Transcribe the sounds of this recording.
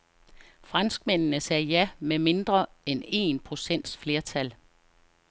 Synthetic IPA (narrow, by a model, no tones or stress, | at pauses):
fʁɑ̈nsɡ̥men̰nəsɛːjæmeme̝nd̥ʁɐene̝̰ːnpʰʁo̝sen̰d̥sfle̝ɐt͡sʰæl